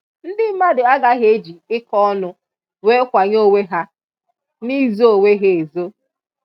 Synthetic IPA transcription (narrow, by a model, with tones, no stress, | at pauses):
n̩˦dɪ˦ma˦dʊ˨a˦ɡa˦ɦe˦d͡ʒi˨ɪ˦kɔ˦nʊ˨ | weː˦kʷa˨ɲo˦˨we˦ɦa˦ | ni˦zo˦o˨we˦ɦe˨e˨zo˦